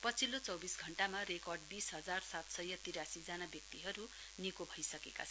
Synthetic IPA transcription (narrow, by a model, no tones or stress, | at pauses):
pʌt͡sʰilːot͡sʌwbisɡʱʌɳʈamarekʌrɖbisɦʌd͡zarsat̪sʌjʌt̪iɾasid͡zanabjʌk̚t̪iɦʌɾu | nikobʱʌjsʌkeka̰t͡sʰʌ